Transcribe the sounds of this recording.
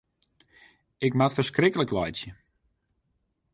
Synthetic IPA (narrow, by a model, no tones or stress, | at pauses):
ɪkmatfərskrɪkələklɔjtjə